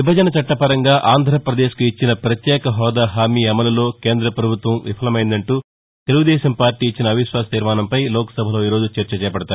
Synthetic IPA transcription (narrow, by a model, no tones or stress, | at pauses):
ʋibʱɐd͡ʒɐnɐt͡ʃɐʈːɐpɐɾɐŋɡaːʔaːnd̪ʱɾɐpɾɐd̪eːʃkuit͡ʃːinɐpɾɐt̪jɛːkɐɦɔːd̪aːɦaːmiːɐmɐlɐlo̞ːke̞ːnd̪ɾɐpɾɐbʱut̪ʋɐmʋḭpʰɐlɐmɐjind̪ɐɳʈuː | t̪eluɡud̪ɛːʃɐmpaːɾʈiːt͡ʃːinɐbʱiʃʋaːsɐ̥t̪iːɾmaːnɐmpɐjlɔːkɐ̥sɐbʱɐlo̞ːiːɾo̞ːd͡ʒut͡ʃɐɾt͡ʃɐt͡ʃɛːɐpɐɽɐt̪aː